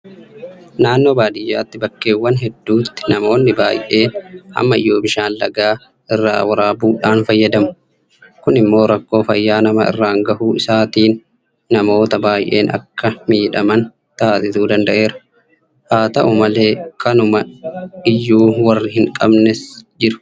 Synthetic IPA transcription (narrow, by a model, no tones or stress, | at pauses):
naːnːo̞ːbaːd̪ɪjːaːt̪ːɪbɐkːe̞ːwːɐnɦɛd̪ːuːt̪ːɪ̥nɐmo̞ːnːɪba̰ːjʔe̞ːnhɐ̰mːɐɪjːo̞ːbɪʃaːnlɐ̰ɡaː | ʔɪrːa̰ːwɐɾaːbuːᶑaːnfɐjːɐd̪ɐmʊ̥ | kʊnɪmːo̞ːɾɐkːo̞ːfɐjːaːnɐmɐɪ̰rːaːŋɡɐhuːɪsaːt̪iːnː | ɐmo̞ːt̪ɐbaːjʔe̞̰ːnɐ̰kʰːɐmiːᶑɐmɐn | t̪aːsɪt̪uːd̪ɐnd̪ɐʔe̞ːɾɐ̥ | haːt̪ɐʔʊmɐleːkʰɐnʊmɐɪjːuːwɐrːɪhɪŋkʼɐbnɛsd͡ʒɪɾʊ̥